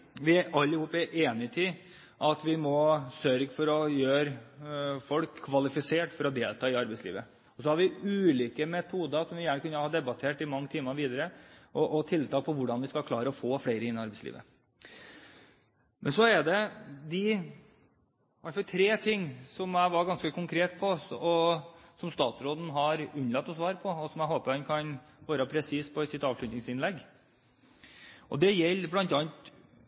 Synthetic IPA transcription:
ʋɪæɾɑlːɪhuːpːɛʔeːnɪt̪ʰiː | ʔɑt̪ʋɪmɔsœɾɡfɔɾɔjøːɾ | fɔlkʰːʋɑlɪfɪseːʈfɔɾɔd̪eːlt̪ʰɑːɪɑɾbɛɪslḭːʋə | ɔsɔhɑɾʋɪʉːliːkəmɛt̪ʰuːd̪əsɔmʋɪjæːɳəkʉnːəhɑːd̪ɛbɑt̪ʰeːʈɪmɑŋːət̪ʰɪːmɑʋiːd̪əɾəʔɔʔɔt̪ʰɪlt̪ʰɑːk̚pʰɔʋʊɖɑnʋɪskɑlkʰlɑːɾəɔfoːfɽeɪɾəɪnːɑɾbɛɪslḭːʋə | mʔɛnsɔɛd̪ɛd̪ɪ | ʋɑʈ̪fɑlt̪ʰɾeːt̪ʰɪŋːsɔmæɪʋɑɡɑnskəkʰʊŋkʰɾeːt̪pʰɔɔsɔmst̪ɑːt̪ɾoːd̪n̩ɦɑɾʉnlɑt̪ːɔsʋɑːɾpʰɔɔsɔmæɪɦoːpəɾhɛnkʰɑnʋɑːɾəpʰɾɛsiːspʰɔɪsɪt̪ːɑːʋʂɭʉt̪nɪŋsɪnlɛɡː | ʔɔd̪ɛjɛlːblɑnt̪ɑnt̪

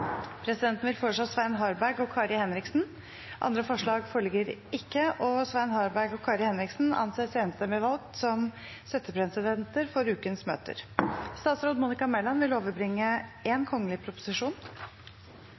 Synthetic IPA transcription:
pʰɾɛsɪd̪ɛnt̪n̩ʋɪlfoːʂɑsʋæɪnɦɑɾbæɾɡɔkʰɑːɾɪhɛnɾɪksn̩ | ʔɑ̰nd̪ɾəfɔʂɭɑːɡfœlɡəɾɪkːəʔɔsʋæɪnhɑːɾbæɡɔkʰɑːɾɪhɛnɾɪksn̩ɑ̰nseːseːnəst̪ɛmɛʋɑlɡ̚t̪sɔm | sɛt̪ːəpʰɾɛsɪd̪ɛnt̪əɾfɔɾʉːkənsmø̰ːt̪ə̰ɾst̪ɑːt̪sɾoːd̪muːnɪkɑmɛlɑnʋɪloːʋəɾbɾɪŋːəɛnkʰɔŋːəlɪpʰɾʊpʊ̥sɪʂuːn

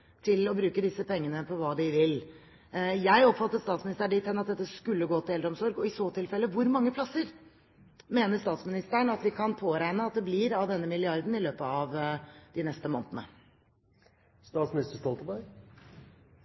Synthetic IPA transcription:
t̪ʰɪlɔbɾʉːkəd̪ɪsːəpɛŋːənəpʰɔʋɑːd̪ɪʋɪl | jæɪɔpfɑt̪ːəst̪ɑːt̪smɪnɪst̪əɖɪt̪ʰːɛnːɑt̪̚d̪ɛt̪ːəskʉlːəɡoːt̪ɪɛld̪ɾɔmsɔɾɡɔɪsoːt̪ʰɪlfɛlːəʋʊɾmɑŋːəpʰlɑsːəɾ | meːnəɾʂt̪ɑːt̪smɪnɪst̪əɳɑt̪ʋɪkʰɑnpʰoːɾæɪnəɑt̪̚d̪ɛblɪɾɑʋd̪ɛnːəmɪlɪɑɾd̪n̩ɪløːpəɑʋd̪̥ɪnɛst̪əmo̰ːnt̪ənə̰ | st̪ɑːt̪smɪnɪst̪əst̪ɔlt̪bæɾɡ

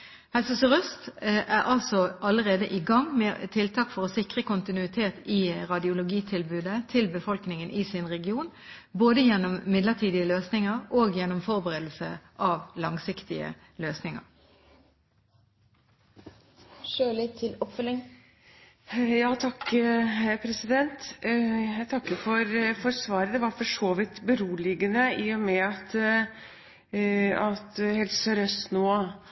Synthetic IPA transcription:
hɛlsəsʁœst̪ʔæʁʔɑlsɔʔɑləʁeːd̪əʔɪːɡɑŋmeːt̪ʰɪlt̪ʰɑkfɔʁɔsɪkʁəkʊnt̪ɪnʉɪt̪ʰeːt̪ɪʁɑd̪ɪʊlʊɡiːt̪ʰɪlbʉːd̪ət̪ʰɪlbəfɔlknɪŋənʔɪːsɪnʁɛɡɪuːn | boːd̪əjɛnːɔmːɪd̪ləʁt̪ʰiːd̪ɪəløːsnɪŋəʁoːɡjɛnːɔmfɔʁbəʁeːd̪l̩səʔɑʋlɑŋsɪkt̪ɪə̰ | løːsnɪŋə̰ʁ | ʃøːɭɪt̪ʰɪlɔpfœlɪŋ | jɑːt̪ʰɑkː | pʰɾɛsɪd̪ɛnt̪jæt̪ʰɑkːəfɔɾfɔɾsʋɑːɾəd̪ɛʋɑɾfɔʂoːʋɪt̪bəɾuːlɪɡənəiːɔmɛɑt̪ | ɑt̪hɛlssœɾøsnoː

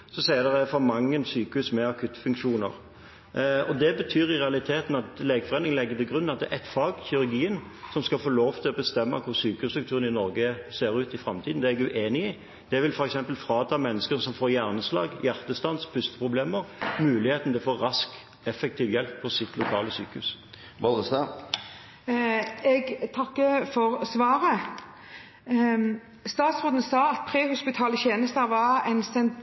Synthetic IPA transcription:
sɔseːnəʁəfɑmɑŋːənsyːkəʉsmɛɑkʰʉt̪ːfʉŋkʂuːnə̰ʁ | ɔd̪ɛbət̪ʰyːɾɪʁɛɑlɪt̪ʰeːt̪nɑt̪leːɡəfɔʁenɪŋlɛɡːət̪ɪɡʁʉnːɑt̪̚d̪ɛ̰ʔɛt̪fɑːɡçɪʉɾɡiːən | sɔmskɑlfoːloːʋt̪ʰɪlɔbəst̪ɛmːə̰kʰʊɾsyːkəʉst̪ʉkt̪ʰʉːʁənɪnɔɾɡəseːɾʉːt̪ɪfʁɑmt̪iːd̪n̩ɛɛɡʉʔeːnɪɪ | d̪̥ɛʋɪlfɔɾɛksɛmpəlfɾɑːt̪ʰɑmɛnːəskəʁsɔmfoːɾjæʁnəslɑ̰ːɡjæʁt̪əst̪ɑnspʰʉst̪ə̥pʰʁʊbleːməʁmʉːlɪheːt̪n̩d̪ɛfoːɑsk | ɛfɛk̚t̪ʰiːʋjɛlpʰːɔsɪt̪ʰlʊkʰɑːləsyːkəʉs | ʋɑlʁəst̪ɑ | ɛɡt̪ʰɑkːəfɔʁsʋɑːɾə | st̪ɑːt̪sʁoːd̪nəsɑːɑt̪̚pʰʁeːhʊspɪt̪ʰɑːləçeːnəst̪əʋɑʁɛnsɛn

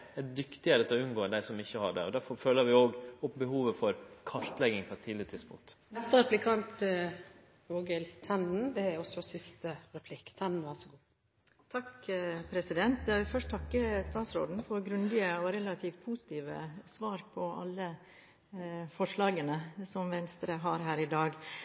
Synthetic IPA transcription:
ɛd̪ʏkt̪ɪəɾət̪ʰɔʉnɡoːd̪æɪsɔmɪçːəhɑɖɛ̰ɔd̪æɾfɔɾføːləɾʋɪoːɡɔpbəhuːʋəfɔɾkʰɑɾt̪lɛɡɪŋpʰɔɛt̪ʰːiːlɪɾət̪ʰɪd̪spʊ̰ŋt̪ | nɛst̪əɾɛplɪkʰɑnt̪ | oːɡɛlt̪ʰɛnn̩d̪ɛæɾɔsɔsɪst̪əɾɛpʰlɪkːt̪ʰɛnn̩ʋæʁsɔɡuː | t̪ʰɑkpʰɾɛsɪd̪ɛnt̪̚d̪ɛɑʋɪfœʂʈ̚t̪ʰɑkːəst̪ɑːt̪sɾoːd̪n̩fɔɾɡɾʉnd̪ɪəɔɾɛlɑt̪ʰiːʋpʰuːsɪ̥t̪iːʋə̰sʋɑːɾpʰɔʔɑ̰lːə | fɔʂɭɑːɡənəsɔmʋɛnst̪ɾəɦɑɾɦæːɾɪd̪ɑːɡ

